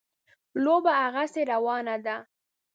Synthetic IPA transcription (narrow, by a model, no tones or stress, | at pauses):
lobaaɣaseɾawɑnad̪a